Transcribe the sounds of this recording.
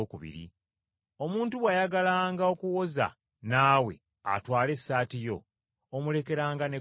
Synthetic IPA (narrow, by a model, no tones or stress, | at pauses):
kuβḭɾḭ | o̞muːntuβwajaɡalaːŋɡao̞kuwo̞za̰ | naːwe̞̰ | a̰twaːle̞sːaːtijo̞ː | mule̞ke̞ɾaːŋɡane̞